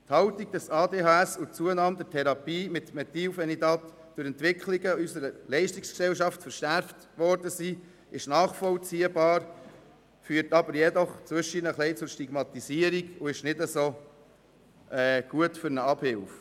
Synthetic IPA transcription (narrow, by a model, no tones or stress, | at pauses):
thɑʊtiɡ̚d̥ɛsɑːdeːɦɑːæsʊt͡suənɑːmd̪ɛtʰɛɾɑpiːmɪt̪mɛt̪iːlfɛnidɑt | d̥ʊɾɛntʋɪkχliɡəysəɾəlɛɪʃtiksksɛlʃɑftfəɾʃæɾft | ʋɔɾdəsiː | ɪʃnɑːχfɔlt͡siːəbɑːɾ | fyːɾtɑbəɾjɛdɔχt͡sʋʏʃinəχlɛɪt͡sʊɾʃtiɡ̥mɑt̪isiəɾiɡʊɪʃnɪdəsoː | ɛːɡ̥uətfʏɾnəɑb̥hɪlf